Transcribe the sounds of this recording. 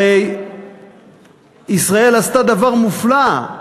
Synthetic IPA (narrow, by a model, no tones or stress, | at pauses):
ej | isʁaelast̪ad̪avaʁmufla